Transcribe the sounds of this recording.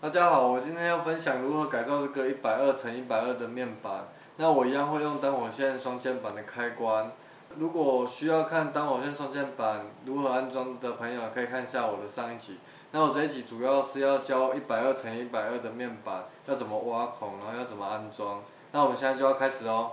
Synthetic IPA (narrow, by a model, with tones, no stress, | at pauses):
t̪a˥˩t͡ɕja˦xɑ˨˩˦ʊwɔ˨˩t͡ɕi˥nt̪ʰjɛ˥njʊfə˦nɕjɑ˨˩ŋɻu˧˦˥xɤ˧˥ka˨ɪt͡sa˥˧ʊʈ͡ʂɤ˥˩ɡə˩˨i˥˩pa˨˩ɪə˥˩t͡sʰə˧˦ni˥˩pa˨˩ɪə˥˩d̪ə˩mjɛ˥˩npa˨˩˦n | na˥˨wɔ˨˩i˧˦˥jɑ˥˧ŋxwe˥˧ɪjo˥˩ŋt̪ɑ˥ŋxwɔ˨˩ɕjɛ˥˨nswɑ˥ŋt͡ɕjɛ˥˩npa˨˩nd̪ə˩kʰa˥˦ɪkwa˦n | lu˨˥kwɔ˨˩ɕy˦˥jɑ˥˧ʊkʰa˥˩˨nt̪ɑ˥ŋwɕjɛ˥˨nswɑ˥ŋt͡ɕjɛ˥˩npa˨˩˦nɻu˧˥xɤ˧˥a˦˥nt͡swɑ˥ŋd̪ə˨pʰə˧˦ŋjo˨jkʰə˧i˨˩kʰa˥˧nɕja˥˩wɔ˨˩d̪ə˩ʂɑ˥˧ŋi˥˩t͡ɕʰi˨˩˦ | na˥˩wɔ˨˩t͡sa˥˧ɪi˥˩t͡ɕʰi˨˩˦t͡su˨˩jɑ˥˧ʊʂɻ̩˥˧jɑ˥˧ʊt͡ɕjɑ˦˥ʊi˥˩pa˨˩ɪə˥˩t͡sʰə˧˦ni˥˩pa˨˩ɪə˥˩d̪ə˩mjɛ˥˩npa˨˩˦njɑ˥˩ʊt͡sə˨˩nmə˦wa˦˥kʰɔ˨˦ŋlə˦jɑ˥˩ʊt͡sə˨˩nmə˦a˦nt͡swɑ˦ŋ | na˥˩wɔ˨˩mə̃˨nɕjɛ˥˧˥a˥˧t͡ɕjo˥˧jɑ˥˩kʰa˥ɪʂɻ̩˨˩ɔ˨˦